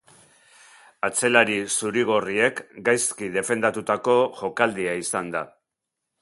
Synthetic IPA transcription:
at͡se̞laɾisuɾiɣ̞orie̞kɡajskiðe̞fe̞nd̪at̪ut̪ako̞ʝo̞kald̪iaisand̪a

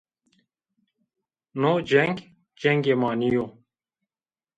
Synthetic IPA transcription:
nod͡ʑeŋɡ | d͡ʑeŋɡemaːnijoː

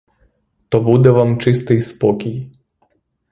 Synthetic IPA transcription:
t̪obud̪ɛʋamt͡ʃist̪iispokʲij

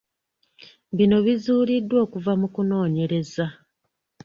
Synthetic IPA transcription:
βino̞βizuːlidːwo̞ːkuvamukuno̞ːɲe̞ɾe̞za

